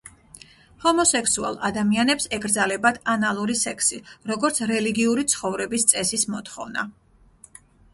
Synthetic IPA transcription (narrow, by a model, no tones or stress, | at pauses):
hɔmɔsɛksua̰lˠa̰d̪amianɛpsɛɡɾd̪zalɛbad̪ʰanalˠuɾisɛkʰsiɾɔɡɔɾt̪sʰɾɛliɡiuɾit̪sʰχɔvɾɛbist̪sʼɛsismɔt̪χɔ̰vna̰